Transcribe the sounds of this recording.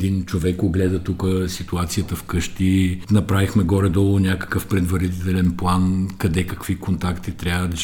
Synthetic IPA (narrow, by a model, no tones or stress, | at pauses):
d̪int͡ʃovɛkoɡlɛd̪ət̪ukəsit̪uat̪sijət̪əfkɤʃt̪inɐpɾavixmɛɡɔɾɛd̪ɔlˠʊnʲakə̥kəfpɾɛd̪vɐɾit̪ɛlɛnplˠankɐd̪ɛkɐkvikont̪akt̪it̪ɾʲavəd̪